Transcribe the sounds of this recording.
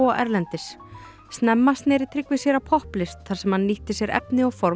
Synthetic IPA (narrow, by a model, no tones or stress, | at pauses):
ʔɛ̰ɾlɛnt̪ɪs | st̪nɛmːast̪nɛɾɪt̪ʰɾɪkvɪsjɛɾapʰɔhplɪst̪̚θaɾ̥sɛmhanːiht̪ɪsjɛɾɛ̰pnɪɔɣfɔɾ